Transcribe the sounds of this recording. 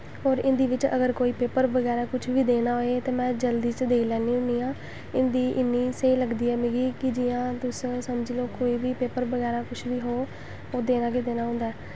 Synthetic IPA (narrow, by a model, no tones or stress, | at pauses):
ɦoːɾɪ̃nd̪iːʋɪt͡ʃə̰ɡəɾkoːiːpeːpəɾʋəɡɛːɾaːkʊt͡ʃʰʋiːd̪eːnaːɦoːet̪eːmɛ̃ːd͡ʒəld̪iːt͡ʃd̪eːilɛːniːʊniːãː | ɪnd̪iːʔɪnːiːsəiːləɡd̪iːɛːmɪɡiːkɪd͡ʒɪːãːt̪ʊssəmd͡ʒiloːkoːiːʋiːpeːpəɾʋəɡɛːɾaːkʊt͡ʃʰʋiːɦoː | oːd̪eːnaːɡeːd̪eːnaːɦʊ̃ːnd̪aɛː